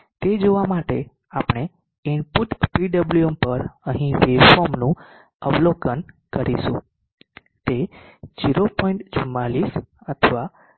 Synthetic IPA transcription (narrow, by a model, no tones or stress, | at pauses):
t̪ed͡ʒoʋamaʈe | apɳ̃e | inpuʈpiɖəbluəmpəɾəɦĩʋefomnũ | əʋlokən | kəɾiʃṵ̃ | t̪ed͡ʒiɾopɔĩɳʈt͡ʃəmːalisət̪ʰʋa